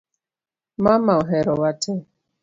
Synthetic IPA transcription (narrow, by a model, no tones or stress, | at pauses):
mamaɔɦɛɾɔwatʰɛ